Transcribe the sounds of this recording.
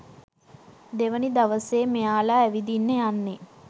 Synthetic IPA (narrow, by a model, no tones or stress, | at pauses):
d̪eʋənid̪aʋəseːmeaːlaːʋid̪inːəjanːe